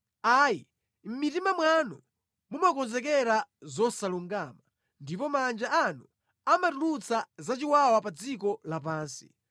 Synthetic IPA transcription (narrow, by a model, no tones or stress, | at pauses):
aːji | m̩mitimamwanu | mumakɔnzɛk̬ɛɾazɔsaluŋɡaːma | ndipɔmand͡ʒaanu | amatulut͡sazat͡ʃiwawapad͡zikɔlapaːnsi̥̰